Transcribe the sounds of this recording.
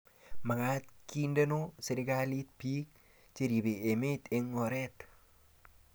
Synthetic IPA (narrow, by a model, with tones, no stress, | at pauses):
ma˨ŋa˦t̪̚kʰinde˦no˦se˨ɾɪkali˦t̪̚pi˦k̚ | t͡ʃi˨ɾi˨be˨e˨me˦t̪e˨ŋːɔ˨ɾɛt̪